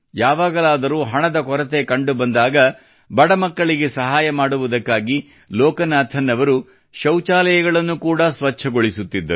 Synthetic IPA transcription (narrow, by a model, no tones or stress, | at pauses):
jaːʋaːɡɐlaːd̪ɐɾuːɦɐɳɐd̪ɐkɔɾɐt̪e̞kɐɳɖubɐnd̪aːɡɐ | bɐɽɐmɐkːɐɭiɡe̞sɐɦaːjɐmaːɽuʋud̪ɐkːaːɡi | lɔːkɐnaːt̪ʰɐnːɐʋɐɾu | ʃɐwt͡ʃaːlɐjɐɡɐɭɐnːukuːɽɐsʋɐt͡ʃʰːɐɡoɭisut̪ːid̪ːɐɾu